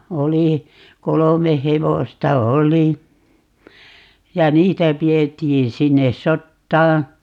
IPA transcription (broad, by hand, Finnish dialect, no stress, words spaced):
oli kolome heʋostɑ oli jɑ niːtæ pietːiːn sinːe sotːɑː